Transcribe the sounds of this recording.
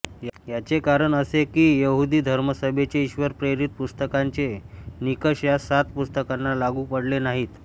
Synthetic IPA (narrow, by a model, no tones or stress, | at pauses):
jat͡sekaɾəɳəsekiːjəɦud̪iːd̪ʱəɾməsəbʱet͡ɕeiɕʋəɾpɾeɾit̪̚pust̪əkaɲt͡senikəɕjasat̪pust̪əkanːalaɡuːpəɽlenaɦiːt̪